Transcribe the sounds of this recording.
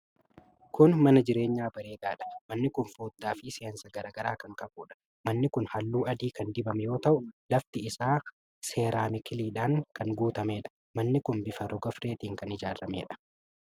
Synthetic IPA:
kʊnmɐnɐd͡ʒɪɾe̞ːɲːaːbɐɾeːd̪aːᶑɐ̥mɐnːɪkʊnfoːd̪ːaːfɪsɪjɐnsɐɡɐɾaːɡɐɾaːkɐŋkɐbuːᶑɐ̥ | mɐnːɪkʊnhɐlːuːɐd̪iːkɐnd̪ɪbɐmɛjo̞ːt̪ɐʔʊlɐft̪ɪɪsaː | se̞ːɾaːmɪkɪliːᶑaːŋkɐŋɡuːt̪ɐme̞ːᶑɐ̥ | mɐnːɪkʊnbɪfɐɾɔɡɐfɾe̞ːt̪iːŋkɐnɪd͡ʒaːrɐmeːᶑɐ̥

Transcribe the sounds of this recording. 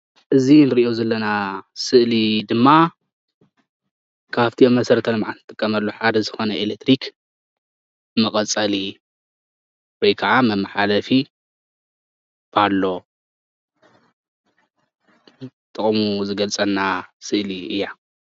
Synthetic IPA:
ʔɨzinɨɾiʔozɐlːɐnasɨʔlid̪ɨmːa | kʰaft̪ʰiomːɐsɐɾɐt̪ʰɐnɨmʕant̪ʰɨt̪ʼɨkʼːɐmɐlːoħad̪ɐzɨxo̞nɐʔelek̚t̪ʰɾikʰ | mɐkʼɐt͡sʼali | wojkʰaʕamɐmːɐħalɐfi | b̥alːo̞ | t̪ʼːɨχʼmuzɨɡɐlt͡sʼɐnːasɨʔliʔɨjːa

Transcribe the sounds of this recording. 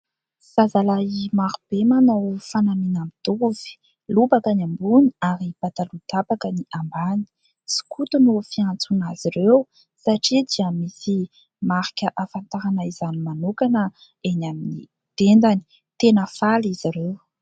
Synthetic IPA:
sazalaimaɾub̥emanawfanaminamid̪uv̥i̥ | lubakanambuniaɾib̥at̪alut̪apakəniʔambani̥ | si̥kut̪unufiant͡sunaz̥iɾew | saʈ͡ʂid̪iamisi | maɾikʲəʔafant̪aɾanaizanimanukanə | enaminḭ | d̪̥end̪ani̥ | t̪enəfaliziɾew

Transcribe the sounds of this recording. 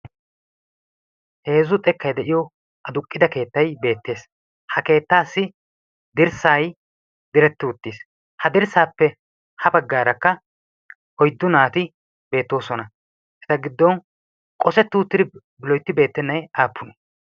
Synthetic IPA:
hezʊt̪ʼɛkːɐjd̪ɛʔɪjɔ | ʔɐd̪ʊkʼːɪd̪ɐke̞ːt̪ːɐjbe̞ːt̪ːe̞ːs | hɐke̞ːt̪ːaːsːɪ | d̪ɪɾsaːj | d̪ɪɾɛt̪ːɪʊt̪ːiːs | hɐd̪ɪɾsaːpːɛ | hɐbɐɡːaːɾɐkːɐ | ʔɔjd̪ːʊnaːt̪ɪ | be̞ːt̪ːo̞ːsɔnɐ | ʔɛt̪ɐɡɪd̪ːɔn | kʼɔsɛt̪ːɪʊt̪ːɪd̪ɪ | blɔjt̪ːɪbe̞ːt̪ːɛnːɐjaːpːʊnɔ̥

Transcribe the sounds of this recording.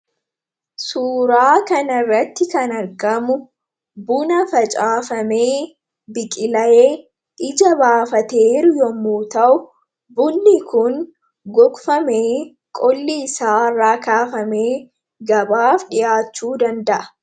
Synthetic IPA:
suːɾaːkɐnɐrːɐt̪ːɪkɐnɐɾɡɐmʊ | bʊnɐfɐt͡ʃʼaːfɐmeː | bɪkʼɪlɐʔeː | ʔɪd͡ʒɐbaːfɐt̪eːɾʊjɔmːuːt̪ɐʔʊ | bʊnːɪkʰʊŋ | ɡɔkʼfɐmeː | kʼɔlːiɪsaːraːkaːfɐmeː | ɡɐbaːfᶑɪjaːt͡ʃːuːd̪ɐnd̪ɐʔɐ̥

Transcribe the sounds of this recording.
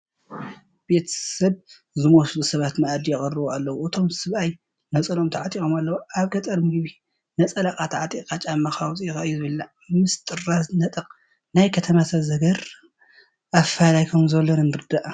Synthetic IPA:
b̥e̞t̪ʰɐsɐβ | zɨmoslusɐβat̪nɐʔad̪ijɛχʼɨrːɨboalːɐwuʔɨt̪ʰo̞msɨβaj | nɐt͡sʼɐlomt̪ʰaʕat̪ʼikomalːɐwuʔaβkʰɐt̪ʼɐɾmɨɡɨβi | nɐt͡sʼɐlakʼat̪ʰaʕat̪ʼikʼat͡ʃʼamɐxawt͡sʼijxɐʔɨjːuzɨβɨlːa | mɨst̪ʼɨrːaznɐt̪ʼɐqʼ | najkʰɐt̪ʰɐmat̪ʰɐzɐɡɐɾ | ʔafalajkʰomzɐlːonɨnɨɾd̪aʔ

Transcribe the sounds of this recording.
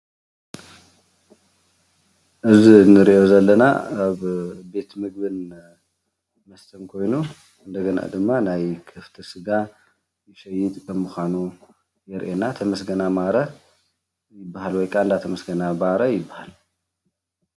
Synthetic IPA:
ʔɨzinɨɾiʔo̞zɐlːɐna̰aβbe̞t̪mɨɡ̚bɨn | mɐst̪ʰɐnkʰo̞jnu | ɨnd̪ɐɡɐna̰d̪ɨmːanajkʰɐft̪ʰisɨɡa | jɪʃɐjɪt̪ʼkʰɐmuxʷanu | jɛɾʔenat̪ʰɐmɐsɡɐnamaɾɐ | jɪbːaɦalwɔjkʰaɨnd̪at̪ʰɐmɐsɡɐnabaɾɐjɪbːahal

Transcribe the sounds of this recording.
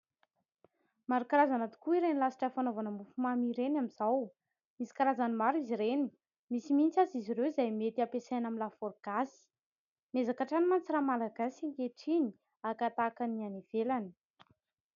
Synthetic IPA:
maɾukaɾazanat̪u̥kuiɾenilasi̥ʈ͡ʂafanovanəmufumamiɾenamiz̥aw | misi̥kaɾazanimaɾiziɾeni̥ | misimint͡sazizirewizajmet̪iapesajnamilafoɾɡ̥asi̥ | mezakaʈ͡ʂanimant͡siramalaɡasiŋkeʈ͡ʂini̥ | akat̪akanianiv̥elani̥

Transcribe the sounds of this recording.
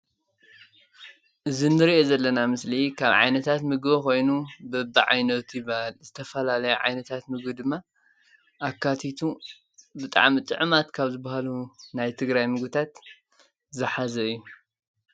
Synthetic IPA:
ʔɨzinːɨɾiʔozɐlːɐnamɨslikʰaβʕa̰jnɐt̪ʰat̪mɨɡbko̞jnubɐbɨʕa̰jnɐt̪ʰjɪbalzɨt̪ʰɐfɐlalɐjuʕa̰jnɐt̪ʰat̪mɨɡbɨd̪ɨmːa | ʔakːat̪ʰit̪ʰu | bɨt̪ʼa̰ʕmit͡s̪ʼɨ̰ʕɨmat̪kʰaβzɨbːahalunajt̪ʰɨɡɾajmɨɡɨt̪ʰat̪ | zɨħazɐɨjːu

